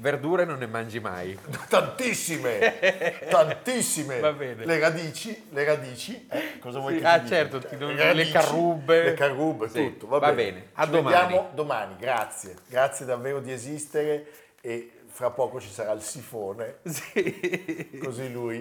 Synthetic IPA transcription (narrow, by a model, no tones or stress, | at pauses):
verd̪uːɾenonːemand͡ʒima̰jt̪ant̪isːime | t̪ant̪isːimevabɛːneleɾad̪iːt͡ʃileɾad̪iːt͡ʃiɛkːɔːzavwɔjat͡ʃɛrt̪ot̪id̪oɾalekarːubːeekarːubːet̪ut̪ːovabvaɛbɛːnead̪ːomajaːmod̪omaːniɡɾat̪sːjeɡɾat̪sːjed̪avːeːɾod̪iezist̪eɾe | e | fɾapːɔːkot͡ʃi̥saɾailsifoːnesi | koziluːj